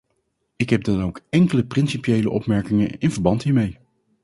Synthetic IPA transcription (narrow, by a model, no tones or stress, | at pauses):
ɪkɦɛb̚dɑnowkɛŋkələprɪnsipjejləʔɔpmɛɹkɪŋənɪnvəɹbɑntɦiːɹmej